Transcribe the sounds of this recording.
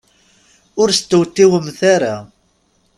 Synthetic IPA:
ʊɾst̪ːəwt̪ːiwəmθaɾa

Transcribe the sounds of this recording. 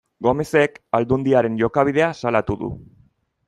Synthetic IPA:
ɡo̞me̞sekald̪und̪iaɾe̞nʝo̞kaβ̞iðe̞asalat̪uðṵ

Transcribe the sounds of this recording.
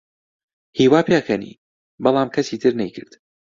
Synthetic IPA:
hiːwaːpʰjakʰɐnḭː | bɑlˠaːmkʰɐsiːt̪ʰɨɾnɛjkʰɨɾd̪̥

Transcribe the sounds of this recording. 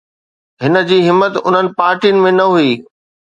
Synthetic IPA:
ɦɪnə̆d͡ʑiːɦɪmːət̪ʊn̤ənɪ̆paːɾʈijʊnɪmẽnɐɦuiː

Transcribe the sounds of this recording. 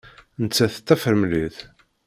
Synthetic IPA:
nət͡sːæθə̥t̪ːæfəɾəmliθ

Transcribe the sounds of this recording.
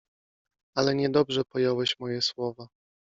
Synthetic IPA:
alɛɲɛd̪ɔbʐɛpɔjɔwɛɕmɔjɛswɔva

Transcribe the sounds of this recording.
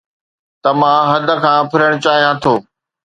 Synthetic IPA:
t̪ɐmãɦɐd̪ʱə̆kʰãːpʰɪɾəɽ̃ʊt͡ɕaːɦijãt̪ʰoː

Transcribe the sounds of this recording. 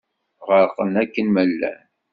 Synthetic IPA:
ʁəɾqənækːənməlːæ̰n

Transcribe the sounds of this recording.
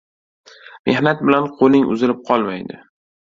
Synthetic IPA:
me̞hnat̪̚bɪlanqʰolɪŋʔʊ̰zɪlɪp̚qʰɒlˠmajd̪ɪ

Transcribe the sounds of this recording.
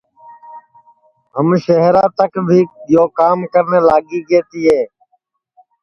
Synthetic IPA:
ɦəmʃəɦɾãːt̪əkbʱiːɗɪjoːkaːmkəɾneːlaːɠiːɡeːt̪iːɦeː

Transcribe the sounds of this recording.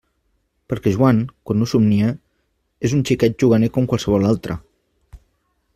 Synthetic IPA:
pəɾkɛʒwaŋkwanːusumniə | ezunt͡ʃikɛd͡ʒuɣ̞anekomkwalˠsəβɔlalˠt̪ɾʔə̰

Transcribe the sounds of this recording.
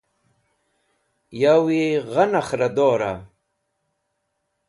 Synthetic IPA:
jawiɣɐnɐχɾɐd̪oːɾa̰

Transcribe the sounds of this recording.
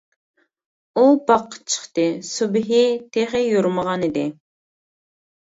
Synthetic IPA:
ubɑqʰːə̥t͡ʃʰə̥χt̪ɨsubɦit̪ʰeχɪjuɾməʁɑnid̪ɪ

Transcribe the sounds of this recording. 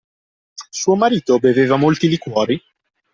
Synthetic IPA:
suːomaɾiːt̪obeveːvamolt̪ilikwɔːɾi

